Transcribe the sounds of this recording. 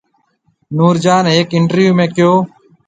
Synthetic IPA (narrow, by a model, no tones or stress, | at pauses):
nuːɾd͡ʒaːneːkɪɳʈəɾjuːmẽːkɪjoː